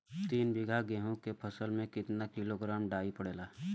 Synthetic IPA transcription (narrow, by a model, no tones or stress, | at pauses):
t̪iːnbɪɡʱaɡẽːɦõkepʰɐsəlmẽkɪt̪nakɪloɡɾaːmɖaːipəɽeːlaː